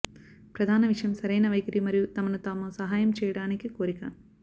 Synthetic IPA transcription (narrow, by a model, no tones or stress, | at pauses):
pɾɐd̪ʱaːnɐʋiʂɐjɐmsɐɾɐjnɐʋɐjkɐɾimɐɾijut̪ɐmɐnut̪aːmusɐɦaːjɐmt͡ʃɛːjɐɽaːnikikoːɾikɐ̰